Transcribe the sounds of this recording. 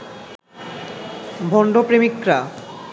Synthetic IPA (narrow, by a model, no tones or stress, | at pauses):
bʱɔɳɖopɾemikɾa